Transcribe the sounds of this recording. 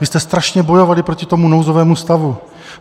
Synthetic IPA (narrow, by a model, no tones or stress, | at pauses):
vɪst̪ɛst̪ɾaʃɲɛbo̞jo̞valɪpɾo̞cɪt̪o̞munowzovɛːmust̪avu